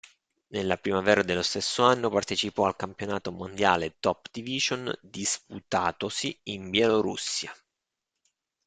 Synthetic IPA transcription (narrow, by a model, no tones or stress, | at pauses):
nelːapɾimavɛːɾad̪elːost̪esːoanːopart̪et͡ʃipɔalkampjonaːt̪omond̪jaːlet̪ɔpd̪̥iviʒond̪isput̪aːt̪osiːmbjɛloɾṵsːja